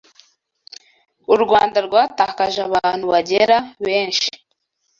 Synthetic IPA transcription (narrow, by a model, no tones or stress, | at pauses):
uɾɡwaːndaɾɡwaːtaːkaʒaβaːn̥huβaɟeɾaβe̞ːnʃi̥